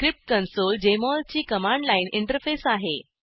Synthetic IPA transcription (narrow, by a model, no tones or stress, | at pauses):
kɾip̚ʈkənsold͡ʑemɔlt͡ɕiːkəmaɳɖlainiɳʈəɾfesaɦe